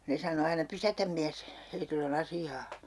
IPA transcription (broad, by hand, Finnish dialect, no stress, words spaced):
ne sɑno ɑinɑ pysætæm miæs heitilː on ɑsiɑː